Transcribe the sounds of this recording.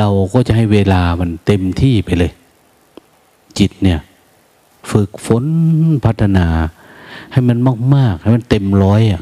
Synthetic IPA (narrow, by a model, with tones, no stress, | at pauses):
ɾa˧wkɔː˧˩t͡ɕa˧˦ʔɦa˥˩jweː˧laː˧ma˧nt̪e˧mt̪ʰiː˥˩pa˧˨jlɤː˧j | t͡ɕi˨˩t̪̚ni˧˩ɐ | fɯ˨˩k̚fo˨˦npʰa˦˧˥t̪ʰːa˧naː˨˧˦ha˧˥˩jma˧˥nmaː˧˩k̚maː˥˩k̚ha˥˩jma˧nt̪e˧mlɔː˧˥ja˨˩